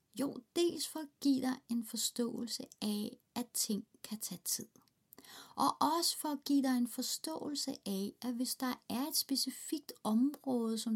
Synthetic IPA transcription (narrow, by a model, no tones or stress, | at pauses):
jo̝ːd̥e̝̰ːlsfɒ̽ɡ̥ḭːd̥ɑ̈e̝nfɒ̽sd̥ɔ̰̽ːl̩səʔɛ | æt͡sʰe̝ŋ̰kʰæt͡sʰɛ̰ːt͡sʰið̰ˠ | ʔɒ̽ʔɒ̽sə̥fɒɡ̥ḭːd̥ɑ̈e̝nfɒ̽sd̥ɔ̰̽ːl̩səʔæʔæʋe̝sd̥ɑ̈æɐe̝d̥sb̥e̝sifiɡ̥̚d̥ɒ̽mʁɔ̽ːðˠəsɒ̽m